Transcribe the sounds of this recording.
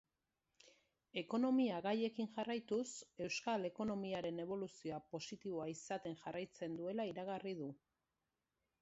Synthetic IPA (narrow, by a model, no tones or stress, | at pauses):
e̞ko̞no̞miaɣaje̞kiŋʝarajt̪use̞wskale̞ko̞no̞miaɾe̞ne̞β̞o̞lusioapo̞sit̪iβo̞aisat̪e̞ŋʝarʔajt͡se̞nd̪ue̞laiɾaɣ̞arið̞u